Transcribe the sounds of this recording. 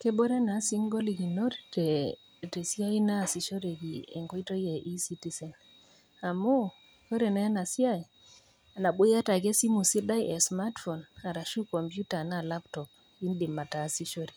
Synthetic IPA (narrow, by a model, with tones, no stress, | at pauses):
kɛ˦bɔ˦ɾe˦na˨˦si˦ŋɡo˦li˨ki˨no˦ɾte˨ | te˨si˦a˦i˦na˦˨si˨ʃo˦ɾe˨ki˨ḛ˨ŋɡɔ˦i˦to˦je˨ʔi˦si˦ti˨˦sɛ˨n | a˨mu˦ | ko˦ɾɛ˨na˨˦a˦na˨si˦a˦j | a˨na˨ɓu˦ja˦ta˨ke˦si˦mu˨si˦da˦jʔɛ˨sma˦tfɔ˨na˨ɾa˨ʃu˦kɔ˨mpju˦ta˨na˦˨la˦ptɔ˨p̚ | i˦ndi˨mːa˨ta˨si˦ʃo˦ɾi˨